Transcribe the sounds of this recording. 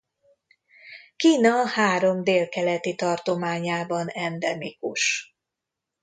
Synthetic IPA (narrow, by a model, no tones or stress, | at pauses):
kiːnɒhaːɾo̞md̪eːlkɛlɛt̪it̪ɒrt̪o̞maːɲaːbɒnɛnd̪ɛmikuʃ